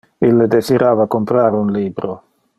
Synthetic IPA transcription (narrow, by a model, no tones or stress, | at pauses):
ilːed̪esiɾaːvakompɾaːɾeunliːbɾo